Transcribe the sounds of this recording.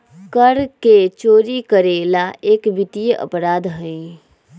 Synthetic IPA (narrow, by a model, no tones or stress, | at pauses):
kəɾket͡ʃoːɾikəɾeːlaeːkbɪt̪ijəʔə̰pɾaːd̪ɦə̃ĩ